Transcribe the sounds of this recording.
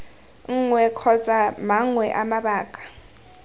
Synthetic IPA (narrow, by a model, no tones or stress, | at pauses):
ŋ̩ŋwɛkʰɔt͡sʼamaŋwɛʔamaɓaːkʼḁ